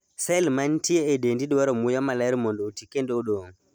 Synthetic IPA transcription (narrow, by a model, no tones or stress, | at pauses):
salmantijɛɛdendiɗɔwaɾɔmujamalaɾimɔndɔutikɛndɛɔɗɔ